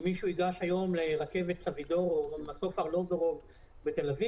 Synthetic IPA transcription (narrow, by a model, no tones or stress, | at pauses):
miʃuiɡaʃajo̞mleʁake̞vet̪t͡savid̪o̞ʁomasofaʁlo̞zoʁov | bet̪elavi